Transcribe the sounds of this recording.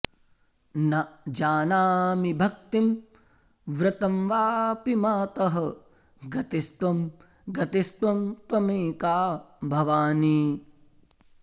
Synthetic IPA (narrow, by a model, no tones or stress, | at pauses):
nɐd͡ʒaːnaːmibʱɐk̚t̪im | ʋɾɪt̪ɐmʋaːpimaːt̪ɐɦɐ̆ | ɡɐt̪ist̪ʋɐm | ɡɐt̪ist̪ʋɐmt̪wɐmeːkaːbʱɐʋaːniː